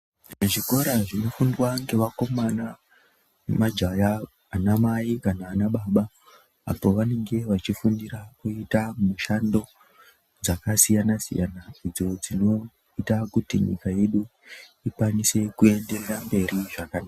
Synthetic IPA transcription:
uʐiko̞ɾaʐino̞fundwaŋɡe̞ʋako̞mana | mad͡ʒajaː | namaikanaːnaɓaːɓa | a̰po̞ʋane̞ŋɡe̞ʋat͡ʃifundirakuitamuʃando̞ | d͡zakasijanasḭja̰naid͡zo̞d͡zino̞ | itakutḭɲḭkaje̞ɗu | ikwanise̞kue̞ndererambe̞riʐakanaːa

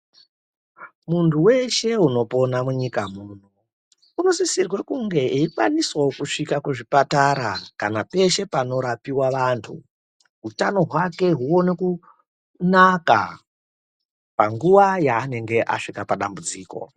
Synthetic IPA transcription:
muntuwe̞ʃe̞uno̞po̞namuɲikamuːno | uno̞zisirwekuŋɡe̞iifwa̰niswokuʂikakuʐipataɾakanape̞ʃe̞pano̞ɾapiwaʋantʰṵ | ɦutano̞ɦwake̞ɦuo̞ne̞ku | naka̰ | paŋɡuʋajaːne̞ŋɡe̞ʔa̰ʂikapaɗambud͡ziːko̞̰

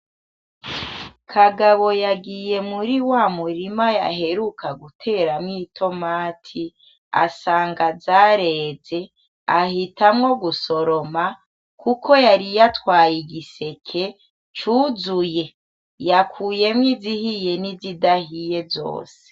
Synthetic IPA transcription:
kʰaɡaβo̞jaɡije̞muɾiwamuɾimaja̰ɦe̞ɾukʰaɡutʰe̞ɾamŋiːtʰo̞maːtʰi | a̰saːŋɡazaɾe̞ːze̞ | ahitamŋo̞ɡuso̞ɾo̞ma | kukʰo̞jaɾijatwaːjiɡise̞kʰe̞ | t͡ʃuːzuje̞ | jakʰuːje̞mŋizihije̞nizidahije̞zo̞̰ːse̥

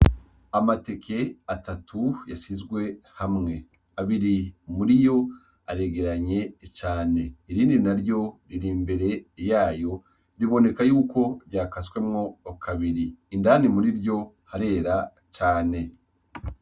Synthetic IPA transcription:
amate̞kʰe̞atatʰujaʃizɡwe̞hamŋe̞ | aβiɾimuɾijo̞ | aɾeɡe̞ɾaɲe̞t͡ʃaːne̞iɾiːndinaɾjo̞ɾiɾiːmbe̞ɾe̞jaːjo̞ | ɾiβo̞ne̞kajuːko̞ɾɟaːkaswe̞mŋo̞kʰaβiɾiːndanimuɾiɾjo̞ | haɾe̞ːɾa | t͡ʃaːne̞

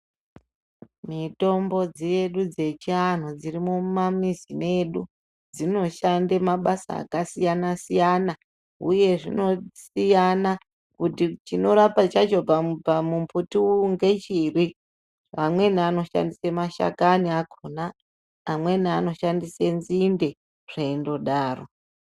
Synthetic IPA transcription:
mito̞mbo̞d͡zijeɗud͡ze̞t͡ʃian̤ud͡zirimumamizine̞ɗu | d͡zino̞ʃandemaɓasa̰ːkasijanasijana | ṵje̞ʐino̞sijana | kutit͡ʃino̞ɾapat͡ʃat͡ʃo̞papamumputiuŋɡe̞t͡ʃiri | amwe̞niano̞ʃa̰ndisemaʃa̰kaniakʰonaː | mwe̞niano̞ʃandise̞nzinde̞ | re̞ndo̞ɗaːro

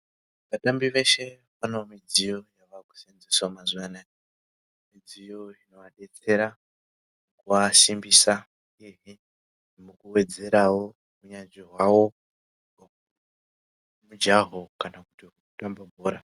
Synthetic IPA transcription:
ʋatambiʋe̞ʃe̞ | pano̞mid͡zijo̞jaʋaku̥senzisamazuana | mid͡zijo̞ino̞ʋaɗe̞t͡se̞ɾa | mukuʋasimbisa | iɦi | mukuwe̞d͡ze̞ɾawo̞ | uɲanʐiɦwawo̞ | mud͡ʒaɦo̞kanakutiuutambabʱoːɾa

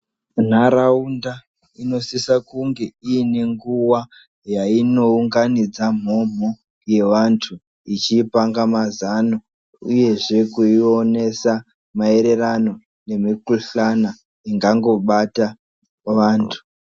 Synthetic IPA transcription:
n̤aɾaunda | ino̞sisakuŋɡe̞iine̞ŋɡuwa | jaino̞uŋɡanid͡zam̤o̞m̤o | je̞ʋantʰu | it͡ʃipaŋɡamazano | uje̞ʐe̞kuio̞ne̞sa | mae̞ɾe̞rano̞ | ne̞mikuɬana | iŋɡaŋɡo̞ɓata | ʋaːntʰu̥

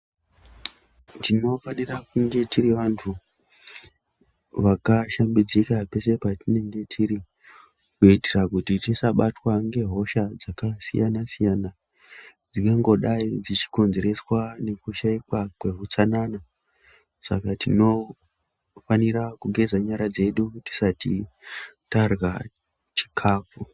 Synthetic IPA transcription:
tino̞fanirakuŋɡe̞tiriʋantʰu | ʋakaʃambid͡zikape̞se̞patine̞ŋɡe̞tʰiɾi | kuitirakutitisaɓatwaŋɡe̞ɦo̞ʃad͡zakasḭjanasijaːna | d͡ziŋɡaŋɡo̞ɗaid͡zit͡ʃi̥ko̞nze̞ɾe̞swane̞kuʃaikwakwe̞ɦut͡sanana | sa̰katino̞ | faniɾakuɡʱe̞d͡zaɲaɾad͡ze̞ɗuti̥sati | tarwa | t͡ʃi̥kʰaːfu

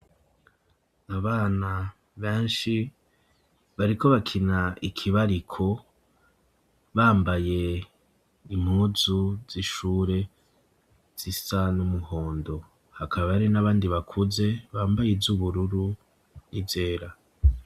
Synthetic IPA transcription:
aβaːna | βeːnʃi | βaɾiko̞βakʰinaikʰiβaɾikʰo̞ | βaːmbaje̞ | im̥huːzuz̥iʃuːɾe̞ | z̥isanumuho̞ːndo̞ | hakʰaβaβaɾinaβaːndiβakʰuze̞βaːmbajevzuβuɾuɾu | nivze̞ːɾa

